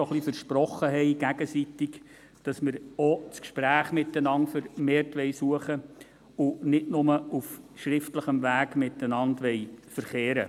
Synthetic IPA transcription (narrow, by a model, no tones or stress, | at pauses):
ɔχlifəɾʃpɾɔχːəɦɛɪɡ̥æɡəsitɪɡ | d̥ɑsmɪɾɔt͡skʃpɾæːχmɪtːənɑntfəɾmeːɾtʋɛɪsuəχə | ʊnɪdnʊməufʃɾɪftləχəmvæːɡmɪtːənɑndʋɛɪfəɾχeːɾə̰